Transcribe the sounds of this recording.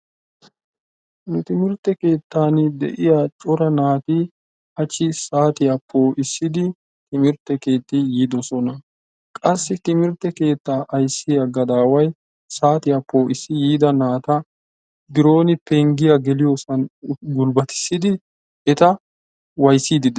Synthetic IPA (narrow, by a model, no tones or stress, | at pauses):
nʊt̪ɪmɪɾt̪ːɛke̞ːt̪ːaːnd̪ɛ̰ʔɪjat͡ʃʼɔɾɐnaːt̪iː | ɐt͡ʃːɪsaːt̪ɪjapʰːoːʔɪsːɪd̪ɪ | t̪ɪmɪɾt̪ːɛke̞ːt̪ːijiːd̪ɔsɔnɐ | kʼɐsːɪt̪ɪmɪɾt̪ːɛke̞ːt̪ːaːʔɐjsːɪjɐɡɐd̪aːwɐj | saːt̪ɪjɐpːo̞ːɪsːɪjiːd̪ɐnaːt̪ɐ | d̪ɪɾo̞ːnɪpɛŋɡɪjɐɡɛlɪjosɐnɡʊlbɐt̪ɪ̥sːɪd̪ɪ | ɛt̪ɐ | wɐjsːiːd̪ɪd̪ɛ